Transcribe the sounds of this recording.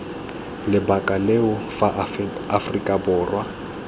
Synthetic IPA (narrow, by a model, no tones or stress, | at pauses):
lɪbakʼaleʊfaafrikʼabʊːrwa